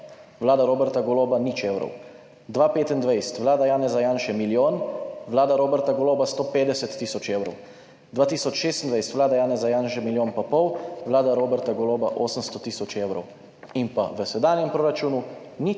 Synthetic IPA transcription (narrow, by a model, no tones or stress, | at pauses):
ʋlaːd̪aɾoːbɛɾt̪aɡɔloːbanit͡ʃeːwɾɔ̰w | d̪ʋaːpeːt̪ind̪ʋajst̪ʋlaːd̪ajaːnɛzajaːnʃɛmiljoːnʋlaːd̪aɾoːbɛɾt̪aɡɔloːbast̪oːpeːd̪ɛsɛt̪ːiːsɔt͡ʃeːwɾɔ̰w | d̪ʋaːt̪iːsɔt͡ʃʃeːst̪nd̪ʋajst̪ʋlaːd̪ajaːnɛzajaːnʃɛmiljoːnpapɔwʋlaːd̪aɾoːbɛɾt̪aɡɔloːbaʔoːsəmst̪ɔt̪iːsɔt͡ʃeːwɾɔ̰w | impaʋəsɛd̪aːnjɛmpɾoːɾat͡ʃuːnu | ni